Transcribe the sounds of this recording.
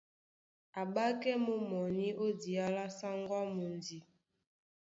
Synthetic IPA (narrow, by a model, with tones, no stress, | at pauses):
a˨ɓa˦kɛ˦mo˦mɔ˨ni˦ʔo˦di˨a˦la˦sa˦ŋɡwa˦mo˨ndi˨